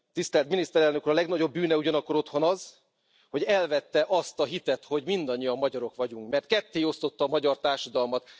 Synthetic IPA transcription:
t̪ist̪ɛlt̪minist̪ɛɾɛlnø̞kuːɾɒlɛɡnɒɟo̞bːyːnɛuɟɒnɒkːo̞ɾo̞t̪ho̞nɒz | ho̞ɟɛlvɛt̪ːɛʔɒst̪ɒɦit̪ɛt̪ho̞ɟmind̪ɒɲːijɒmːɒɟɒɾo̞kʋɒɟuŋkmɛrt̪̚kɛt̪ːeːo̞st̪o̞t̪ːɒːmɒɟɒrt̪aːrʃɒd̪ɒlmɒt̪

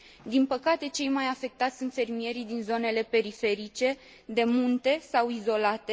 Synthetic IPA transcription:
d̪inpəkat̪e̞t͡ʃe̞jmajafe̞k̚t̪at̪ʲsunt̪fe̞rmije̞ɾid̪inzo̞ne̞le̞pe̞ɾife̞ɾit͡ʃe̞ | d̪e̞munt̪e̞sawizo̞lat̪e̞

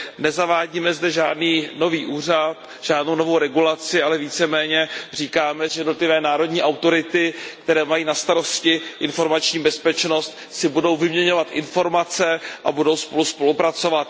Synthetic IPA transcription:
nɛzavaːɟiːmɛzdɛʒa̰ːdniːno̞viːʔuːrat̪ | ʒ̥aːdno̞wno̞vo̞wɾɛɡulat͡sɪalɛviːt͡sɛmɛːɲɛriːkaːmɛʒɛjɛdno̞t̪lɪvɛːnaːɾo̞dɲiːʔawt̪o̞ɾɪt̪ɪkt̪ɛɾɛːmajiːnast̪aɾo̞scɪʔɪnfo̞ɾmat͡ʃɲiːbɛspɛt͡ʃno̞st̪ | sɪbudo̞wvɪmɲɛɲo̞vat̪ʔɪ̰nfo̞ɾmat͡sɛʔa̰budo̞wspo̞luspo̞lupɾat͡so̞vat̪̚

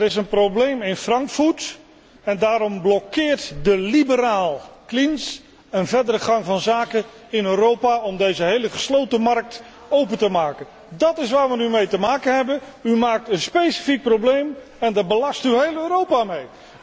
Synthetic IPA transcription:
ɾɪsənproblejmɪnfrɑŋkfut | ɛndaːɾɔmblɔkɪːɹtdəlibəɾaːlˠklins | ənvɛdəɾəχɑŋvɑnzaːkən | ɪnøːɾowpaɔmdejzəɦejləχəslowtəmɑrk̚t | owpəntəmaːkən | dɑtɪsʋaːɹʋənymejtəmaːkənɦɛbənymaːk̚tənspejsi̥fik̚prowblejm | ɛndabəlɑstyɦejløːɾowpamej

